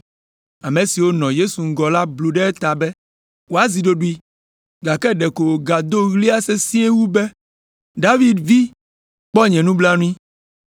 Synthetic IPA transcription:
a˨mẽ˨si˨wo˦nɔ̃˨je˦su˨ŋ̩˦ɡɔ˨la˦blu˨ɖɛ˦ɛ˦t̪a˨bɛ˦ | wo˦a˨zi˨ɖo˦ɖu˦i˦ | ɡa˨kɛ˦ɖɛ˨ko˨wo˨ɡa˨d̪o˦ɣli˦a˦se˦sĩ˦e˦wu˦bɛ˦ | ɖa˦vi˦˨d̪vi˦ | k͡pɔ˦ɲɛ̃˨nũ˦bla˦nũ˦ĩ˦

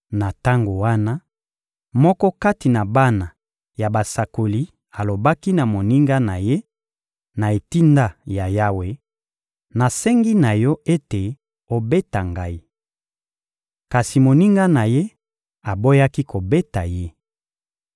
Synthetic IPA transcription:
na˨ta˦ŋɡo˨wa˦na˦ | mɔ˦kɔ˦ka˦ti˨na˨ba˦na˨ | ja˨ba˨sa˨ko˨li˦ | a˨lo˨ba˦ki˦na˨mo˨ni˦ŋɡa˦na˨je˦ | na˨e˨ti˦nda˦ja˨ja˦we˨ | na˨sɛ˦ŋɡi˦na˨jɔ˦e˦te˨ | o˨be˦ta˨ŋɡa˦i˦ | ka˨si˨mo˨ni˦ŋɡa˦na˨je˦ | a˨bo˦ja˦ki˦ko˨be˦ta˨je˦

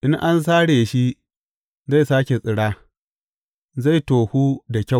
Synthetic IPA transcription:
ʔɪ˦ŋʔa˦ns̬aː˦ɽeː˨ʃi˦ | za˦˨saː˦kʲe˨sʼɪ˨ɽaː˦ | za˦˨jtoː˨huː˦da˨kʲa˦˨

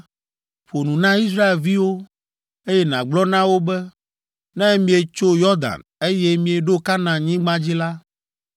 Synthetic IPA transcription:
ɸo˨nũ˨nã˦i˦s̬ɾa˦e˨lvi˦wo˦ | e˦jɛ˦nã̰˨ɡ͡blɔ˦nã˦wo˦bɛ˦ | nɛ̃˦mĩ˦e˨t͡ʃo˦jɔ˦d̪a̰˨ne˦je˦mĩ˦e˨ɖo˦ka˦nã˨ɲĩ˦ɡ͡bã˦d͡ʑi˦la˦

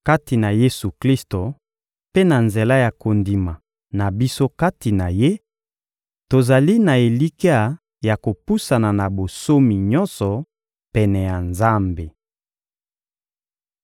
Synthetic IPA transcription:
ka˦ti˨na˨je˦su˨kli˦sto˨ | pe˦na˨nze˨la˦ja˨ko˨ndi˨ma˨ | na˨bi˦so˦ka˦ti˨na˨je˦ | to˨za˨li˦na˨e˨li˦ki˦a˦˨ | ja˨ko˨pu˦sa˨na˨na˨bo˨so˦mi˨ɲɔ̃˦nsɔ˨ | pɛ˨nɛ˨ja˨nza˦mbe˨

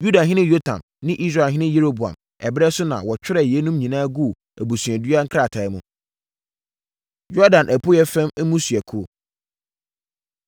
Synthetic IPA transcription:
ju˦da˨ɦɪ̃˦nɪ̃˦jo˦tʰã̰˨m | nɪ̃˦ʔi˦s̬ɾa˨ɦɪ̃˦nɪ̃˦je˦ɾo˦bu˨ã̰˨m | ɛ˨bɾɛ˦sʊ˦nã̰˨wɔ˨t͡ɕᶣɪ˦ɾɛ˨je˦nũ˦mɲĩ˨nãː˦ɡu˦˨ | æ˨bu˨sɥ̃ɛ̃˨dɥa˦ŋ̩˦kʰɾa˨tʰa˨˦mṵ̃˨ | jɔ˦dã˨nʔæ˨pʰʊ˦jɛ˦fæ̃˦mɛ˦mũ˦sɥɛ˨kʰo˦

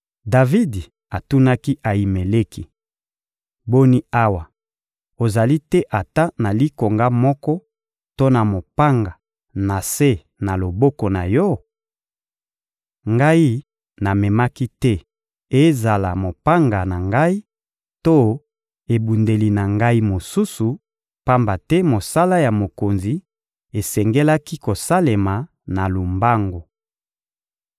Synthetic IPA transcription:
da˨vi˦d | a˨tu˦na˦ki˦ʔa˨ji˨me˨le˦ki˦ | bo˦ni˦a˦wa˨ | o˨za˨li˦tɛ˦ʔa˨ta˦na˨li˦ko˨ŋɡa˦mɔ˦kɔ˦ | to˦na˨mo˨pa˦ŋɡa˨ | na˨se˦ | na˨lo˨bɔ˦kɔ˨na˨jɔ˦ | ŋɡa˦i˦ | na˨mɛ˨ma˦ki˦tɛ˦ | e˦za˨la˨mo˨pa˦ŋɡa˨na˨ŋɡa˦i˦ | to˦ | e˨bu˨nde˨li˨na˨ŋɡa˦i˦mo˨su˦su˨ | pa˦mba˨tɛ˦mo˨sa˦la˦ja˨mo˨ko˨nzi˨ | e˨sɛ˨ŋɡe˦la˦ki˦ko˨sa˦le˨ma˨ | na˨lu˨mba˦ŋɡo˨

